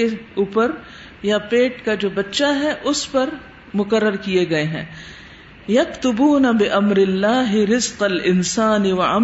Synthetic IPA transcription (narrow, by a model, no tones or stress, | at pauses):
euːpəɾ | japeːʈkad͡ʒoːbɐtːʃaɦɛʔʊspɐɾ | mʊkəɾːəɾkieɡɐeɦɛ̰̃ː | jɐkt̪ʊbuːnɐbɪʔɐmɾɪlːaːɦɪɾɪzqɐlɪnsaːnɪwɐam